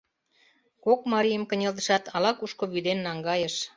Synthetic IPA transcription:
kokmɑɾijəmkə̆nʲeld̪ə̆ʃɑt̪ɑlɑkuʃkoβyd̪enːɑŋɡɑjəʃ

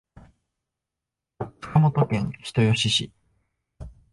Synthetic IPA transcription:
t͡sɨ̥kamot̪o̞kẽ̞ɰ̃çi̥t̪o̞jo̞ɕiɕi

